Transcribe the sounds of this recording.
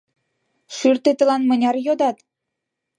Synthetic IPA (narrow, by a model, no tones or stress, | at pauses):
ʃyrt̪et̪ə̆lɑnmə̆nʲɑrjod̪ɑt̪